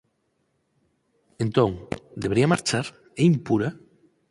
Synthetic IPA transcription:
ẽnt̪õŋd̪eβɾiamaɾt͡ʃaɾ | ejmpuɾa

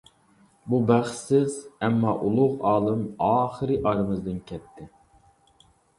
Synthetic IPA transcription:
bubæχsɪzɛmːɑʔulˠʊʁɑːlˠɨmɑːχəɾɨʔɑɾɨmɨzd̪ɨnkʲʰɛt̪ʰːɪ

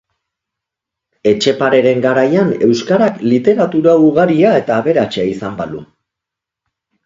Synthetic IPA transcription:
e̞t͡ʃe̞paɾe̞ɾe̞ŋɡaɾajane̞wskaɾaklit̪e̞ɾat̪uɾauɣaɾiae̞t̪aːβe̞ɾat͡ʃeaisambalṵ

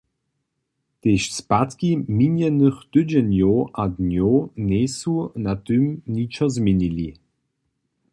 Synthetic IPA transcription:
teʃspatkiminjənəχt̪ʏd͡ʑənjoːʔadnjoːneːsunat̪ymnit͡ʃɐzminili

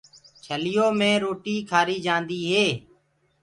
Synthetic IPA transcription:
t͡ʃʰəlɪjoːmẽːɾoːʈiːkʰaːɾiːd͡ʒãːnd̪iːɦeː

